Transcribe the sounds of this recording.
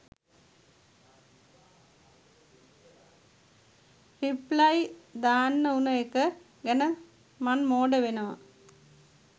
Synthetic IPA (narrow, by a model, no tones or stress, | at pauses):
riplɐjd̪aːnːɐunɐekːə | ɡenɐ | mɐnmoːɖɐʋenɐʋɐ̰